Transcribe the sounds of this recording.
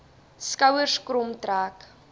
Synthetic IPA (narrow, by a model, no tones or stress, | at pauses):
skɐwərskrɔmtraːk